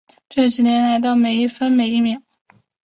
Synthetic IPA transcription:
ʈ͡ʂe˥˩ʈ͡ʂ̩˨˩njɛ˧˥nla˧˥ɪt̪̬ɑ˥˩ʊme˨˩ɪi˥˩fə˥nme˨˩ɪi˥˩mjɛ˨˩˦ŋ

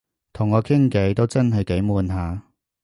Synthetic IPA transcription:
t̪ʰʊ˨˩ŋːɔː˨˧kʰɪ˥ŋkɐ˨˥jt̪o˥wt͡sɐ˥nɦɐ˨jke˨˥jmuː˨˧nɦaː˨˧

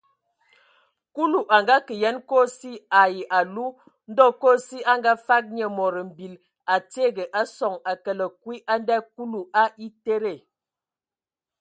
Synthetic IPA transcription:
ku˦lu˨ʔa˨ŋɡa˦kə˨jɛ˦nko˦si˦a˨ji˨ʔa˨lu˦ | n̩˦dɔ˦˨ko˦˨si˦a˦ŋɡa˦fa˦k̚ɲə˨mɔ˨ɾə˨m̩˨bi˨l | a˨te˦˨ɡə˨ʔa˦sɔ˨ŋa˨kə˨lə˨kwi˦ʔa˦n˦dɛ˦ku˦lu˨ʔa˦ʔi˦te˦ɾe˨

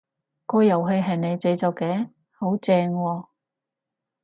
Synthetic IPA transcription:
kɔː˧jɐ˨˩wɦe˨˧jɦɐ˨˩jne˨˧jt͡se˨˧t͡sɔː˨˧kːɛː˨˥ | ho˨˥wt͡sɛː˧ŋwɔː˧

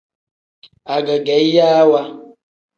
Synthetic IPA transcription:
a˨ɡə˨ɡɛ˨˦jaː˦wa˦

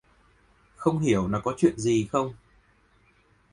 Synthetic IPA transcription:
xə˧wŋ͡mɦi˧˩əwlaː˨˩kɔ˨˦t͡ɕwḭ˧˨ənzi˨˩xə˧wŋ͡m

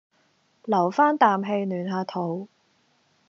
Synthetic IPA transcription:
lɐ˨˩wfaː˥nt̪aː˨mɦe˧jnyː˨˩nɦaː˨˧t̪ʰo˨˩w

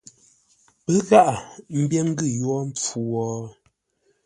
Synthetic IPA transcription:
pə˦ɣa˦ʔa˨m̩˦bjɛ˦ŋ̩˦ɡɨ˦˨jwɔ˦m̩˦p͡fu˨wɔː˨˦

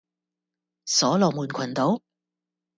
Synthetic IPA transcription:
sɔː˨˥lɔː˨˩muː˨˩nkʰɐ˨˩nt̪o˨˥w

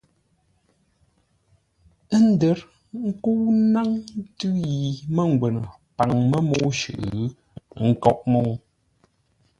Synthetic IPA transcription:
ə˦n̩˦də˨˦ɾ | ŋ̩˦ku˦na˦ŋn˦tʉ˦ji˨mə˦˨ŋ˨ɡwɛ˨n˨ | pa˨ŋmə˦mo˦ʃʉ̰˨ʔɣ | ŋ̩˦˨kɔ˦ʔ̚mo˦˨

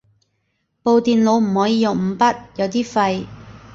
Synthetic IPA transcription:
po˨˧wt̪iː˨nlo˨˧wm̩˨˩hɔː˨˥jiː˧jʊ˨˩ŋm̩˨˧˥pɐ˥t̚jɐ˨˧wt̪iː˥fɐ˧j

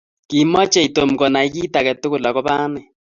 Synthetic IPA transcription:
ki˨mɔ˦t͡ʃɛ˦i˨to˨mɡɔ˨na˨i˦ki˦ta˨kɛ˨tʊ˦kʊ˨la˨ɣɔ˦ba˦nɛ˨

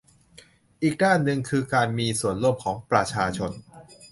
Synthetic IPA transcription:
ʔiː˨˩k̚daː˥˩nːɯ˧ŋkʰɯː˧kaː˧nmiː˧su˨˩ənɾu˥˩mkʰɔː˩˦ŋpɾa˧t͡ɕʰaː˧t͡ɕʰo˧n

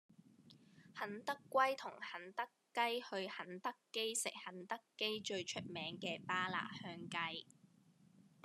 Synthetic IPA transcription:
hɐ˨˥nt̪ɐ˥kʷːwɐ˥jt̪ʰʊ˨˩ŋhɐ˨˥nt̪ɐ˥kː | ɐ˥jhɵ˧ɥhɐ˨˥nt̪ɐ˥kːe˥jsɪ̰˨k̚hɐ˨˥nt̪ɐ˥kːe˥jt͡ʃɵ˧ɥt͡ʃʰɵ˥t̚mɛː˨˥ŋkɛː˧paː˥la̰ː˨˩hœː˧ŋkɐ˧j

